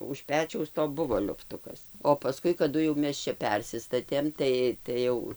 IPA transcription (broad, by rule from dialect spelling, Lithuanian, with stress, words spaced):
ʊʃ ˈpʲæːt͡ʃʲɛʊs toː ˈbʊʋoː lʲʊfˈtʊkɐs oː pɐˈskʊɪ kɐˈdʊ jɛʊ ˈmʲɛs t͡ʃʲɛ ˈpʲɛrʲsʲɪstɐtʲeːm ˈtɐɪ tɐɪ ˈjɛʊ